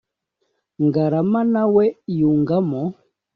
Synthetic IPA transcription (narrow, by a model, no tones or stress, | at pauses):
ŋɡaɾamanawɛjuŋɡamɔ